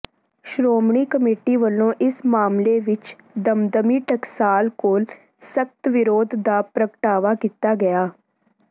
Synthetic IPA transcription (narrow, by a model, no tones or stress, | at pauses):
ʃɾoːmɳiːkəmeːʈiːʋəlːõːʔɪsmaːmleːʋɪt͡ʃ | d̪əmd̪əmiːʈəksaːlkoːl | sək̚t̪ʋɪɾoːd̪d̪aːpɾəkəʈaːʋaːkiːt̪aːɡəjaː